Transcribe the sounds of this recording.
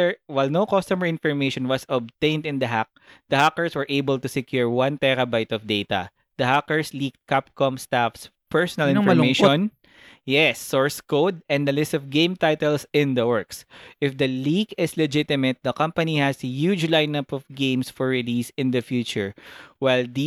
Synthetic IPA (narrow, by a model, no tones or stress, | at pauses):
ɛɹwajlnowkɔst̪ɔməɹɪ̃nfɔɹmejʃɔ̃nwɐsɔb̚t̪ẽɪ̃nd̪ɪ̃nd̪ɐɦak̚d̪̥ɐhakəɹswɛɹʔeɪbəlt̪ʊsɛkjuɹwɐ̃nt̪ɛɾɐbajt̪ɔfd̪ejt̪ɐ̰ | d̪̥ɐhakɛɹslik̚t̪̚kap̚kɔmst̪afs | pʰɛɹsɔnɐlɪ̃nmeʃɔ̃n | jɛsːɔɹskod̪̚ɛ̃nd̪ɐlɪst̪ɔvɡẽɪ̃mt̪ajt̪ɛlsɪ̃nd̪ɐwɛɹksʔɪfd̪ɐlikɪslɛd͡ʒɪt̪ɪmɛt̪̚d̪ɐkɐ̃mpɐnihɛsjud͡ʒlaɪnɐpɔvɡẽɪ̃msfɔɹːɪlisɪ̃nd̪ɐfjut͡ʃʊɹwajld̪